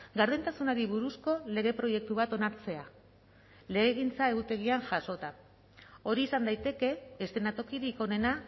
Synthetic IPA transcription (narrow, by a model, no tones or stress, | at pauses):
ɡaɾðent̪asunaɾiβuɾusko̞le̞ɣ̞e̞pɾo̞je̞k̚t̪uβ̞at̪o̞naɾt͡se̞a | le̞ɣeɣint͡sae̞ɣut̪e̞ɣ̞ianʝaso̞t̪a | o̞ɾiːsand̪ajt̪e̞ke̞ːst̪enat̪o̞kiɾiko̞ne̞na